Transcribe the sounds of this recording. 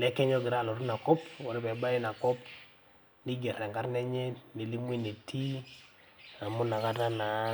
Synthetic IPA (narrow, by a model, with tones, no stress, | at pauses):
lɛ˨˦kɛ˦ɲɔ˦ɡɪ˨ɾa˦˨lɔ˨tu˦na˨kɔ˦pɔ˨ɾe˦pɛ˨ba˦ɪ˦na˨kɔ˦p | ni˦ɡɛ˨ɾɛ˨ŋɡa˦ɾnɛ˦ɲɛ˦ni˨li˦m˦i˦ni˨tʰːi˦ | a˨mʊ˦na˨ka˦ta˦na˨˦